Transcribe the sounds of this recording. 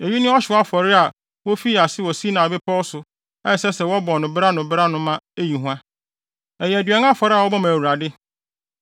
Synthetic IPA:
e˨ɥi˦nɪ̃˦ɔ˦ɕᶣɪ˨˦a˦fɔ˨ɾɪ˦a˨ | wo˦fi˦˨a˨sɪ˦wɔ˨si˦nã˨bɪ˦pʰɔ˦ɔ˦sʊ˨ | ɛ˦˨sɛ˦sɛ˨wɔ˦bɔ˨nʊ̃˨bɪ˦ɾa˦nʊ̃˨bɪ˦ɾa˦nʊ̃˦mã˦e˦ji˨ɦũ˦ã˦ | ɛ˨jɛ˨æ˨dɥɛ˨˦ŋ˦ã˦fɔ˨ɾɪ˦a˨wɔ˦bɔ̃˦mã˨wu˨ɾa˨dɪ˦

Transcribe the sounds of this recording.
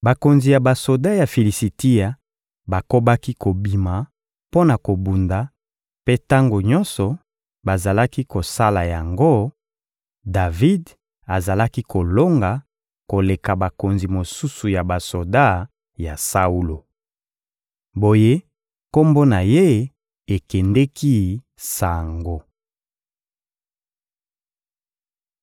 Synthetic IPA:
ba˨ko˨nzi˨ja˨ba˨so˨da˦ja˨fi˨li˨si˨ti˦ja˨ | ba˨ko˦ba˦ki˦ko˨bi˨ma˨ | po˦na˨ko˨bu˨nda˨ | pe˦ta˦ŋɡo˨ɲɔ̃˦nsɔ˨ | ba˨za˨la˦ki˦ko˨sa˦la˨ja˨ŋɡo˦ | da˨vi˦d | a˨za˨la˦ki˦ko˨lo˦ŋɡa˨ | ko˨le˨ka˨ba˨ko˨nzi˨mo˨su˦su˨ja˨ba˨so˨da˦ | ja˨sa˦u˦lo˨ | bo˨je˦ | ko˦mbo˦na˨je˦ | e˨kɛ˨ndɛ˦ki˦ | sa˨ŋɡo˨

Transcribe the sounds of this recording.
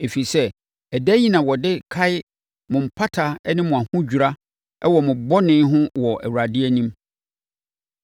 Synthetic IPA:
e˨fi˨sɛ˦ | ɛ˨dæ˦ɲĩ˦nã˨wɔ˨dɪ˦kʰa˦ɪ˦ | mʊ̃˨m̩˨pʰa˦tʰa˨˦nɪ̃˦mʊ̃˨a˨hʊ̃˦d͡ʑᶣu˨ɾa˦ | ɛ˦wɔ˨mʊ̃˨bɔ˦nɪ̃˦ɦʊ̃˦wɔ˨ʔæ̰˨wu˨ɾa˨dɪ˦ɛ˦nĩ˦m

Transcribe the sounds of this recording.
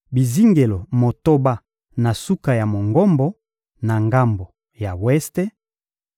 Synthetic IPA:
bi˨zi˦ŋɡe˨lo˨mo˨to˦ba˦ | na˨su˦ka˨ja˨mo˨ŋɡɔ˦mbɔ˦ | na˨ŋɡa˦mbo˨ | ja˨wɛ˦ste˦

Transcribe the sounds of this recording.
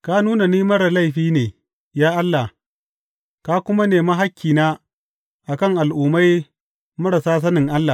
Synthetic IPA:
ka˦nuː˦na˨niː˦mɐ˦ɾa˨la˦jɸiː˦neː˨ | jaː˦ʔa˦lːa˨ | kaː˦kʷʊ˦ma˦neː˨ma˦ɦa˦kʲʰːiː˨naː˦ | ʔa˨kɐ˦ŋʔa˨lʔuː˨ma˦j | mɐ˦ɽa˨saː˦s̬ɐ˦nɪ˨ŋʔa˦lːa˨

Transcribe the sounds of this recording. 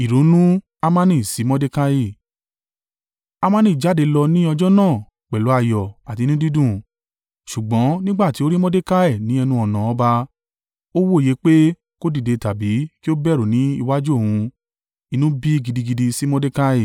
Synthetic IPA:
i˨ɾo˨˦nũ˦ | a˧mã˦nĩ˦˨si˨˦mɔ̃˦de˦ka˦i˦˨ | a˧mã˦nĩ˦˨d͡ʒa˨˦˨de˨˧lɔ˧nĩ˦ɔ˧d͡ʒɔ˦nãː˦˨ | k͡pɛ˨lo˨˦a˧jɔ˨a˨ti˧nĩ˦di˦dũ˦˨ | ʃu˨ɡ͡bɔ̃˨˦nĩ˦ɡ͡ba˦˨ti˨˦o˦ɾi˦mɔ̃˦de˦ka˦ɛ˦˨nĩ˨˦ɛ˧nũ˧ɔ˨nã˨ɔ˨˧˦ba˧ | o˦wo˦i˨je˨˦k͡pe˦ | ko˦di˦˨de˧ta˨bi˨˦ki˦o˦bɛ˦˨ɾo˨nĩ˨˦i˧wa˦d͡ʒu˦o˦˨hũ˧ | i˧nũ˦bi˦i˦˨ɡi˧di˧ɡi˧di˧si˦mɔ̃˦de˦ka˦i˦˨

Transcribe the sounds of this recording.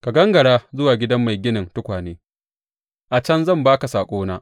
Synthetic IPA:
ka˨ɡɐ˦ŋɡɐ˨ɽaː˦zʊ˦waː˨ɡʲɪ˦dɐ˦mːa˨jɡʲɪ˦nɪ˨ntʊ˦kʷaː˨neː˦ | ʔa˨t͡ʃɐ˦nzɐ˦˨mbaː˦ka˨saː˨kʷʼoː˦naː˦

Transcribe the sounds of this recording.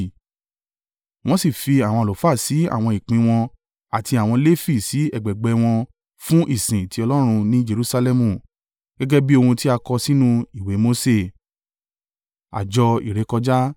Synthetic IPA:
w̃ɔ̃˦si˦˨fi˧a˨w̃ɔ̃˧a˨o˨fa˦˨si˨˦a̰˦˨w̃ɔ̃˧˨i˨k͡pĩ˨˧˦w̃ɔ̃˧ | a˨ti˧a˨w̃ɔ̃˧le˦fi˦˨si˨˦ɛ˦˨ɡ͡bɛ˨ɡ͡bɛ˧w̃ɔ̃˧ | fũ˦ʔi˦˨sĩ˨ti˧˦ɔ˧lɔ˦ɾ̃ũ˧nĩ˦d͡ʒe˧ɾu˧sa˧lɛ˧mũ˨ | ɡ̥ɛ˦ɡɛ˦bi˦o˧hũ˧ti˦a˧kɔ˧si˦nũ˦i˦˨we˨˦mo˦se˦˨ | a̰˨d͡ʒɔ˧i˨ɾe˨˧˦kɔ˧d͡ʒa˦

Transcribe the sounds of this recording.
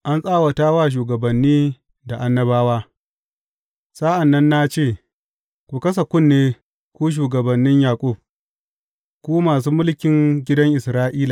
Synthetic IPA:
ʔa˦nsʼaː˦wɐ˨taː˦waː˦˨ʃ̬uː˨ɡɐ˨bɐ˨nːiː˦ | da˨ʔa˦nːɐ˦baː˦waː˦ | saː˦ʔa˨nːɐ˦nːa˦t͡ʃeː˦˨ | kʷu˨kɐ˦s̬a˨kʷʊ˦nːeː˦ | kʷuː˦ʃ̬uː˨ɡɐ˨bɐ˨nːɪ˦ɲjaː˨kʷʼu˦˨b̚ | kʷuː˦maː˨s̬uː˦mʊ˦lkʲɪ˨ŋɡʲɪ˦dɐ˦ŋʔɪ˨sɾaː˦ʔiː˦la˨

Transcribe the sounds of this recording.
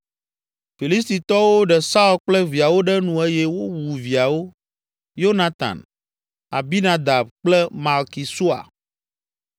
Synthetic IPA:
fi˨li˦s̬t̪i˨t̪ɔ˦wo˦ɖɛ˨sa˦u˦lk͡plɛ˦vi˨a˨wo˦ɖɛ˦nũ˨e˦jɛ˦wo˦wu˨vi˨a˨wo˦ | jo˦nã˦t̪a̰˨n | a˨bi˦nã˦d̪a˨b̚k͡plɛ˦ma˨lki˨su˦a̰˨

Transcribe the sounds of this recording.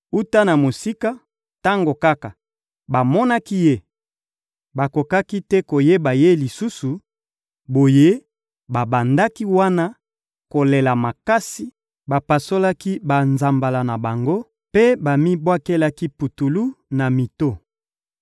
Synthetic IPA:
u˦ta˦na˨mo˨si˦ka˦ | ta˦ŋɡo˨ka˦ka˨ | ba˨mɔ˦na˦ki˦je˦ | ba˨ko˨ka˦ki˦tɛ˦ko˨je˦ba˨je˦li˨su˦su˨ | bo˨je˦ | ba˨ba˨nda˦ki˦wa˦na˦ | ko˨le˨la˨ma˨ka˦si˨ | ba˨pa˨so˦la˦ki˦ba˨nza˨mba˨la˨na˨ba˨ŋɡo˦ | pe˦ba˨mi˦bwa˦ke˦la˦ki˦pu˨tu˨lu˦na˨mi˨to˦

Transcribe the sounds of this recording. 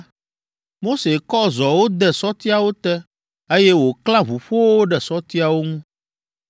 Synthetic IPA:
mo˦se˨kɔ˦zɔ˨wo˦d̪ɛ˨sɔ˦t̪i˦a˨wo˦t̪ɛ˦ | e˦jɛ˦wo˨klã˦βu˨ɸo˦wwo˦ɖɛ˨sɔ˦t̪i˦a˨wo˦ŋũ˦

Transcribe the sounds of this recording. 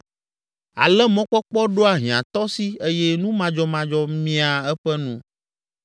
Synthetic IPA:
a̰˨lɛ˦mɔ̃˦k͡pɔ˦k͡pɔ˦ɖo˦a˨ɦĩ˨ã̰˨t̪ɔ˦si˦e˦jɛ˦nũ˦mã˦d͡ʒɔ˦mã˦d͡ʒɔ˦mĩ˦a˨ɛ˦ɸɛ˦nũ˦

